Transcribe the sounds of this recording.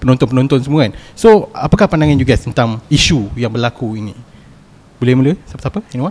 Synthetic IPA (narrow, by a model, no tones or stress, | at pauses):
pənõnt̪ɔnpənõnt̪ɔnsəmuansoapakahpandaŋãnjuɡast̪ənt̪amiʃujaŋbərlakuinḭ̃ | bolɛmuləsapə̥sapəɛniwan